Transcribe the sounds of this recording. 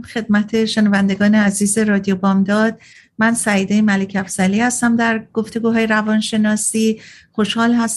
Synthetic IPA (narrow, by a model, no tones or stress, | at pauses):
xe̞d̪̚mæt̪ʰe̞ʃenɒvænd̪e̞ɡɒːneæziːze̞ɾɒːd̪ijobɒːmd̪ɒːd̪̥̚ | mænsæiːd̪ejmælecʰæfsæliːhæst̪æmd̪æɾɡ̥o̞ft̪e̞ɡuːɦɒːjeɾævɒːnʃe̞nɒːsiːxo̞ʃhɒːlhæs